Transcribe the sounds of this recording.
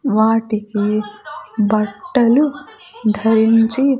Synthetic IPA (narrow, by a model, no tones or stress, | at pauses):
ʋaːʈiki | bɐʈːɐlu | d̪ʱɐɾint͡ʃi